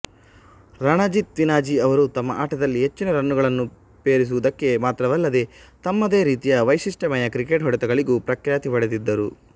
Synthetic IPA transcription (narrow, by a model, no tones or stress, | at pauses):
ɾɐɳɐd͡ʒit̪ʋinaːd͡ʒiɐʋɐɾut̪ɐmːɐʔaːʈɐd̪ɐlːiɦe̞t͡ʃːinɐɾɐnːuɡɐɭɐnːu | peːɾis̬uʋud̪ɐkːe̞maːt̪ɾɐʋɐlːɐd̪e̞t̪ɐmːɐd̪e̞ːɾiːt̪ijɐʋɐjsiʂʈɐmɐjɐkɾike̞ʈɦɔɽɛt̪ɐɡɐɭiɡupɾɐkjaːt̪iʋɐɽed̪id̪ːɐɾu